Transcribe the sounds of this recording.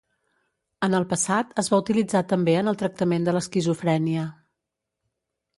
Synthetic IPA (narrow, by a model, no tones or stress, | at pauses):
ənəlˠpəsat̪əzβaut̪ilid͡zat̪əmbeənəlˠt̪ɾək̚t̪əmend̪ələskizufɾɛniə